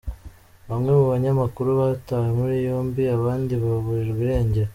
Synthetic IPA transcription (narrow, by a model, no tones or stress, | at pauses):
βamŋe̞muβaɲamakuɾuβataːwemuɾijoːmbiaβaːndiβaβuɾiɾɡwiɾe̞ːɲɟeɾa